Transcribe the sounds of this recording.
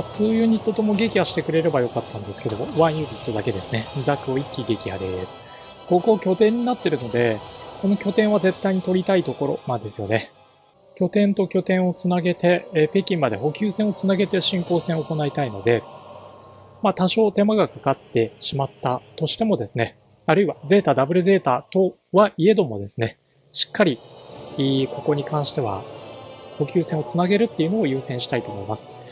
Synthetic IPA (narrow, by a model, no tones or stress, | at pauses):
at͡sɨːjɨːɲ̟it̪ːot̪o̞mo̞ɡe̞kʲiaɕi̥t̪e̞kɯ̟ɾe̞ɾe̞bajo̞kat̪ːãnd̪e̞sɨ̥ke̞d̪o̞mo̞βãɰ̃jɯ̟ːɾʲit̪ːo̞d̪ake̞d̪e̞sɨne̞zakɯ̟o̞ikʲːiɡe̞kʲia̰d̪esɨ̥ | ko̞ko̞ːkʲo̞t̪ẽ̞ɲ̟ːinat̪ːe̞ɾɯ̟no̞d̪e̞ko̞no̞kʲo̞t̪ẽ̞ɰ̃βaze̞t̪ːaiɲ̟it̪o̞ɾʲit̪ait̪o̞ko̞ɾo̞̰nãnd̪e̞sɨjo̞ne̞ | kʲo̞t̪ẽ̞nt̪o̞kʲo̞t̪ẽ̞ɰ̃o̞t͡sɨnaɡe̞t̪e̞pe̞kʲĩmːad̪e̞ɦo̞kʲɨːsẽo̞t͡sɨnaɡe̞t̪e̞ɕĩŋko̞ːsẽ̞ɰ̃o̞ko̞nait̪aino̞d̪e̞ | mat̪aɕo̞ːt̪e̞maɡakakat̪ːe̞ɕimat̪ːat̪o̞ɕi̥t̪e̞mo̞d̪e̞sɨne̞ | aɾɯ̟iβad͡ze̞ːt̪aːd̪abɯ̟ɾɯ̟ze̞ːt̪aːt̪o̞ | βaʔie̞d̪o̞mo̞d̪e̞sɨne̞ | ɕi̥kːaɾʲiː | ko̞ko̞ɲ̟ikãɰ̃ɕi̥t̪e̞β̞a̰ | ho̞kʲɨːsẽo̞t͡sɨnaɡe̞ɾɯ̟t̪ːe̞iɯ̟no̞ːjɯ̟ːsẽ̞ɰ̃ɕi̥t̪ait̪o̞ːmo̞imasɨ̥